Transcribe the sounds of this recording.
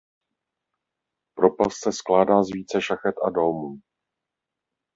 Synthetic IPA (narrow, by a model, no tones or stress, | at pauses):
pɾo̞palssɛsklaːdaːzviːt͡sɛʃaxɛt̪ʔado̞lmuː